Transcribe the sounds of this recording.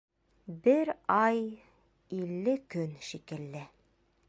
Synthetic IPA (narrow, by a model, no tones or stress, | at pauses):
bɘɾɑj | ilːɘkɵnʃikɘ̆lːɘ